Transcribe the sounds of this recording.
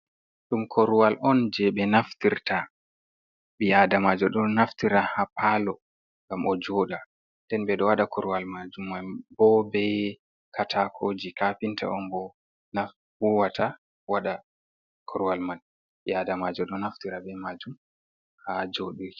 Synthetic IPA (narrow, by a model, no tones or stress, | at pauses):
ɗumkʰɔɾwalʔɔnd͡ʒɛɓɛnaftiɾta | ɓɛjadamad͡ʒɔɗɔnaftiɾahapaːlɔ | ŋɡamʔɔd͡ʒoːɗa | ndɛnbɛɗɔwaɗakʰɔɾuwalmad͡ʒumːabɔbɛ | katʰakʰod͡ʒikapinta̰ʔɔnbɔ | na | huwatʰa | waɗa | kʰɔɾwalmal | ɓɛjadamad͡ʒɔɗɔnaftiɾabɛmad͡ʒum | had͡ʒoɗiɾ